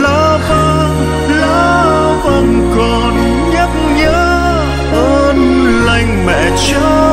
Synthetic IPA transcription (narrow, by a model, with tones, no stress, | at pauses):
lɔ˧˦və˧ | lɔ˧˦ | və˧˨nkɔ˨˩n | ɲə˦˥k̚ɲəː˧˦ | ʔə˧nla˧˩jŋ̟mɛ̰˧˨t͡ɕɔ˧˦